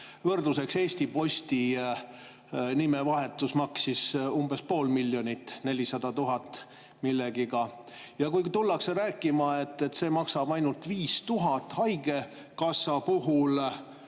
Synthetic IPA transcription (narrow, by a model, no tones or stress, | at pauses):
vɤrd̪use̞kse̞ːsʲt̪ipo̞sʲt̪i | nimevɑɦe̞t̪ːˑusmɑksisumb̥e̞spo̞ːlmilʲːjo̞nit̪ːne̞lʲisɑd̪̥ɑt̪uɦɑt̪ːˑ | milːeɡ̥iɡɑ | jɑkujt̪ulːɑkseɾæːkːˑimɑe̞t̪ːe̞t̪ːse̞ːmɑksɑb̥ɑjnult̪viːst̪uɦɑt̪ːˑhɑjɡe̞ | kɑsːɑpuɦul